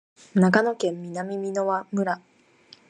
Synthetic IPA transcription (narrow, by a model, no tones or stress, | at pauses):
nakano̞kẽ̞mːʲinamʲimʲino̞βamɯ̟ɾa